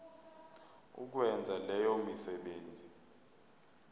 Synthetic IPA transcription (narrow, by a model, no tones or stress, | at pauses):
ṵk̬wɛnd͡zʱalɛjɔmisɛɓeːnd͡zʱi